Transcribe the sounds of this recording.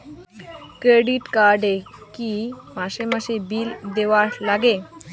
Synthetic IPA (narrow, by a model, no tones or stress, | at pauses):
kɾeɖiʈkaɾɖekimaʃemaʃebild̪eʋaʈlaɡe